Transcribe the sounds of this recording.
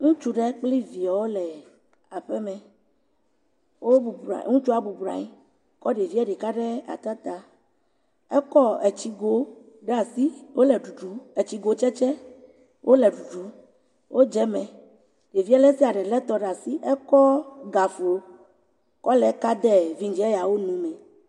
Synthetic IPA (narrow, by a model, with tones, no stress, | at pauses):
ŋũ˦t͡ʃu˦ɖɛ˦k͡pli˦vi˨a˨wo˦lɛ˨ | a˨ɸɛ˦mɛ̃˨ | wo˦bu˨b̰ŋũ˦t͡ʃu˦a˨bu˨bɾã̰˨ɲi˦ | kɔ˦ɖe˨vi˦ɛ˦ɖe˨ka˦ɖɛ˦a̰˨t̪a˦t̪a˨ | ɛ˦kɔ˦ɛ˨t͡ɕi˦ɡo˨ | ɖɛ˦a˨si˦wo˦lɛ˨ɖu˨ɖu˨˦e˨t͡ɕi˦ɡo˨˦t͡ʃɛ˦t͡ʃɛ˦ | wʔo˦lɛ˨ɖu˨ɖu˨˦ | wʔo˦d͡ʒɛ˦mɛ̃˨ | ɖe˨vi˦ɛ˦lɛ˦si˦a˨ɖɛ˨lɛ˦t̪ɔ˦ɖa˨si˦ʔɛ˦kɔ˦ɡa˨fu˨o˦ | kɔ˦lɛ˨˦ka˦d̪ɛ˦vi˦ŋ˦d͡ʒɛ˦e˦ja˨wo˦nũ˨mɛ̃˨